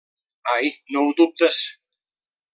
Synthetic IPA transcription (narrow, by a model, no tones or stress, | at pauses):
ajnowd̪up̚t̪əs